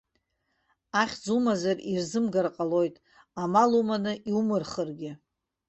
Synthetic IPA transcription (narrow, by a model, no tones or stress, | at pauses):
aχʲd͡zumazarirzɨmɡarqʼalo̞jtʼ | amalumanɨʔiumɨrχərɡʲɪ